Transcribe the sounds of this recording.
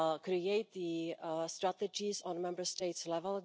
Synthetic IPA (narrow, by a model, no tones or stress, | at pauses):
kɾieɪt̪̚ðistɹætɨd͡ʒizɔ̃n̩mɛ̃mbə˞steɪtslɛvəlˠ